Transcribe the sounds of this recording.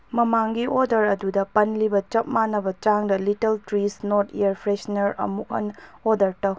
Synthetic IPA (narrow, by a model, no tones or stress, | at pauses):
mɐmaŋɡiʔodɐɾɐdudɐpɐnlibɐt͡ʃɐp̚manːɐbɐt͡ʃaŋdɐlitɐltɾisnoɾtʰiɐɾpʰɾesnɐɾɐ̰muk̚ɦhɐ̰nodɐɾtɐw